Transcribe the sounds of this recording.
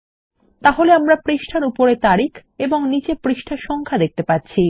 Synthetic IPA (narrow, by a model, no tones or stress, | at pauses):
t̪aɦoleamɾapɾeʃʈʰaɾupoɾet̪aɾikeboŋnit͡ɕepɾiʃʈʰaɾʃɔŋkʰad̪ek̚t̪epatːɕʰi